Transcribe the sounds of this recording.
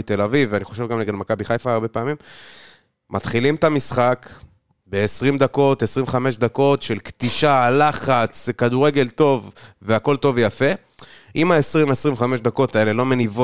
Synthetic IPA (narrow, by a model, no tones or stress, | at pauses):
it̪e̞lavivaniχo̞ʃe̞vɡamleɡad̪makabiχajfaːʁbe̞peːmim | mʔat̪χilimt̪amisχak | be̞ːsʁimd̪ako̞t̪esʁimvχame̞ʃd̪ako̞tʃe̞lkd̪iʃalaχat͡slekaduʁe̞ɡe̞lt̪o̞vːe̞ako̞lt̪o̞vjafe | ʔimaesʁimesʁimvχameʃd̪ako̞t̪ae̞le̞lo̞me̞nivo